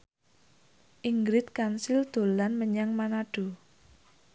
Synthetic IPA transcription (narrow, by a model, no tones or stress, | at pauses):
ʔiŋɡɾɪt̪̚kansild̪̥o̤lanməɲaŋmanaɖ̥o̤